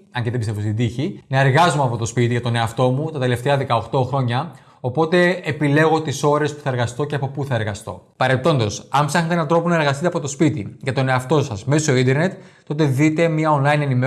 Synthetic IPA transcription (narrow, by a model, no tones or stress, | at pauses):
ɐɲceðebist̪e̞vost̪id̪içinɐeɾɣɐzumeɐpo̞t̪o̞spit̪iʝɐt̪o̞ne̞ɐft̪o̞mut̪ɐt̪e̞le̞ft̪eɐðekɐo̞xt̪o̞xɾo̞ɲɐ | o̞po̞t̪e̞ːpile̞ɣo̞t̪iso̞ɾe̞spu̥θɐe̞ɾɣɐst̪o̞ce̞ɐpo̞puθɐe̞ɾɣɐst̪o̞̰pɐɾe̞t̪o̞nd̪o̞sɐnpsɐxnet̪eenɐnt̪ɾo̞ponɐeɾɣɐst̪it̪eɐpo̞t̪o̞spit̪iʝɐt̪o̞neɐft̪o̞sɐzme̞soind̪eɾne̞t̪ː | o̞t̪̬e̞ðit̪e̞miɐonlɐine̞nime